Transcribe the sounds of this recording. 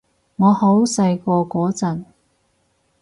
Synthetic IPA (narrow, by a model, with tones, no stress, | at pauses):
ŋɔː˨˧ho˨˥wsɐ˧jkɔː˧kʷɔː˨˥t͡sɐ˨n